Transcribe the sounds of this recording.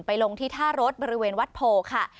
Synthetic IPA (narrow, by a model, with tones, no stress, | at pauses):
npa˧jlo˧ŋt̪ʰiː˥˩t̪ʰaː˥˩ɾo˦˥t̪̚bɔː˧ɾi˦˥weː˧nwa˦˥t̪̚pʰoː˧kʰa˥˩